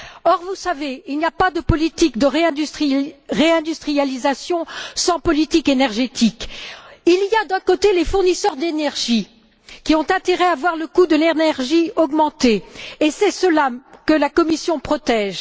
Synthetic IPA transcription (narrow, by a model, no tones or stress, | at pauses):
ɔʁvusaveilnijapad̪əpɔlit̪ikd̪əʁeyχiʁeɛ̃d̪yst̪χijalizasjɔ̃sɑ̃pɔlit̪ikenɛʁʒet̪ikilijad̪ɛ̃kot̪elefuʁnisœʁd̪enɛʁʒi | kʲiɔ̃t̪ɛ̃t̪eʁɛavwaʁləkud̪əlenɛʁʒiɔɡmɑ̃t̪eesɛsəlakəlakɔmisjɔ̃pχɔt̪ɛʒ